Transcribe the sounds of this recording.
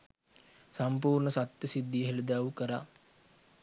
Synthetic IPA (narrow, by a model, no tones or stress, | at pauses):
sampuːɾɳəsat̪jəsid̪ːijɦelud̪aːʋukəɾa